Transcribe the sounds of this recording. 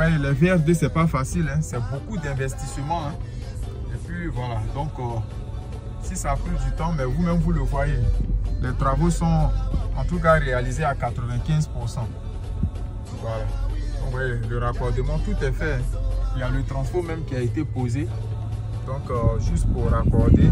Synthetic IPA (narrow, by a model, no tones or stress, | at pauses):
wɛlɛveɛfd̪esɛpafasilɛ̃sɛbokud̪ɛ̃vɛst̪isəmɑ̃ɛ̃ | epɥivwalad̪ɔ̃k | sisaːplyd̪yt̪ɑ̃mɛvumɛ̃mvuləvwajelɛt̪ʁavosɔ̃ɑ̃t̪uk̬aʁealizeakat̪ʁəvɛ̃kɛ̃zpuʁsɑ̃ | vwalad̪ɔ̃kwɛləʁakɔʁd̪emɑ̃t̪ut̪ɛfɛɛ̃iljalət̪ɾɑ̃spɔmɛ̃mkʲiaet̪epoze | d̪ɔ̃kʒyst̪puʁʁakɔʁd̪e